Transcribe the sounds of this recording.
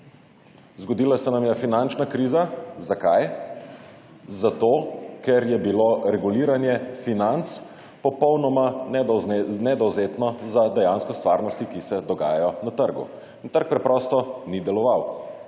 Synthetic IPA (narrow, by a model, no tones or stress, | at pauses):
zɡɔd̪ilasɛnamjɛfinant͡ʃnakɾiːzazakaj | zat̪okɛɾjɛbiloɾɛɡuliːɾanjɛfinant̪s | pɔpɔwnɔma | nɛd̪ɔwzeːt̪nɔzad̪ɛjanskɔst̪ʋaːɾnɔst̪ikisɛd̪ɔɡa̰ːjajɔnat̪əɾɡṵ | int̪əɾk̚pɾɛpɾɔst̪ɔnid̪ɛlɔʋaw